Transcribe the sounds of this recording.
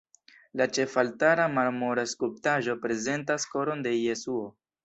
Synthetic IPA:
lat͡ʃe̞faltaɾamaɾmoɾaskuptaʒo̞pɾe̞ze̞ntasko̞ɾo̞nde̞je̞suo̞

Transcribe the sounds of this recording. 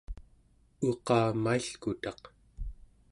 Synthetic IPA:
uqɑːmaiɬkut̪ɑq

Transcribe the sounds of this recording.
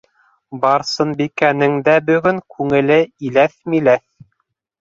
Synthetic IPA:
bɑɾsɤnbikænɘ̆ŋd̪æbɵ̆ɡɵŋkʉŋɘ̆lɘilæθmilæθ

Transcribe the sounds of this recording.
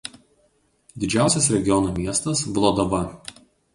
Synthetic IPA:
d̪ʲɪd͡ʒʲæˑʊsʲɛsɾʲɛɡʲɪjɔnoːmʲiɛst̪ɐsʋlˠoːd̪oʋɐ

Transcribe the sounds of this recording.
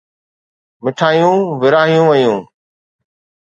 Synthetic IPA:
mɪʈʰaːɦijũːʋɪɾaːɦijũːʋəjũː

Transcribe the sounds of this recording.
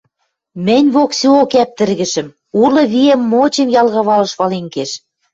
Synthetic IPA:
mɘ̆nʲβoksiokæp̚t̪ɘ̆ɾɣɘ̆ʃɘ̆m | ulɤ̆βiemːot͡ɕemjɑlɣɤ̆βɑlɤ̆ʃβɑleŋkeʃ

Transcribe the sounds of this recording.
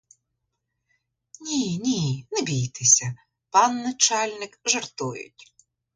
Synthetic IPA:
nʲinʲinɛbʲijt̪ɪsʲɐ | pɑnːɐt͡ʃɑlʲnɪkʒɐrt̪ujʊ̰tʲ

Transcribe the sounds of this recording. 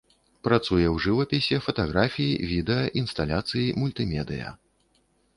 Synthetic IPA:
pɾat̪sujɛwʐɨvɐpʲisʲɛfɐt̪aɣɾafʲijivʲid̪ɛjɐʔinst̪alʲat̪sɨjimulʲt̪ɨmʲɛd̪ɨjɐ̰

